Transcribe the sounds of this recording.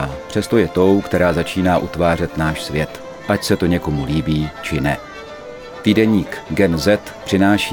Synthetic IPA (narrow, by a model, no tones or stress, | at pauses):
pr̝̥ɛst̪o̞jɛt̪o̞wkt̪ɛɾaːzat͡ʃiːnaːʔut̪vaːr̝ɛt̪naːʃsvjɛt̪ | ʔacsɛt̪o̞ɲɛko̞muliːbiːt͡ʃɪnɛ | t̪iːdɛɲiːkɡɛnzɛt̪pr̝̥ɪnaːʃi